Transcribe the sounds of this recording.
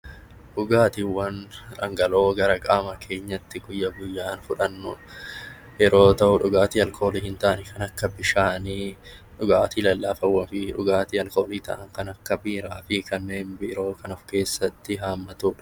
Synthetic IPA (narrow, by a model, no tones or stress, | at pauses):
ᶑʊɡaːt̪ɪwːɐnᶑɐŋɡɐlo̞ːɡɐɾɐkʼaːmɐkʰe̞ːɲːɐt̪ːɪɡʊjːɐɡʊjːaːnfʊᶑɐnːʊ | jɛɾo̞ːt̪ɐʔʊᶑʊɡaːt̪iɐlkʰo̞ːliːhɪnt̪ɐʔɐnɪkɐnɐkːɐbɪʃaːniᶑʊɡaːt̪iːlɐlːaːfɐwːɐnfɪᶑʊɡaːt̪iɐlko̞ːliːt̪ɐ̰ʔɐŋkɐnɐkːɐbiːɾaːfɪkɐnːe̞ːnbɪɾo̞ːkɐnɐfke̞ːsːɐt̪ːɪɦaːmːɐt̪uːᶑɐ